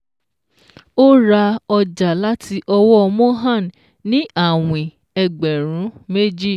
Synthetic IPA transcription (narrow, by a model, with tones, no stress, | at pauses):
o˦ɾa˧ɔ˧d͡ʒa˨la˦ti˧ʔɔ˧wɔ˦˧mõ˦ɦã˦˨n | nĩ˦a˦˨w̃ĩ˨ | ɛ˧ɡ͡bɛ˨ɾ̃ũ˨˦me˦d͡ʒi˦˨